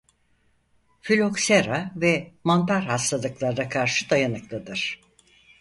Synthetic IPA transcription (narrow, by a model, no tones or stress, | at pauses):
fylʲo̞kseɾavɛmant̪ʰaɾhast̪alˠɯklˠaɾd̪akʰaɾʃɯd̪ajanɯklˠad̪ɯɾ̥